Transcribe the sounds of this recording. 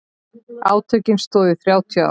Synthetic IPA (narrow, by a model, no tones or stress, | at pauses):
a̰ːwt̪ʰœɥcɪnst̪ɔːðɪθɾjaːwt̪ʰia̰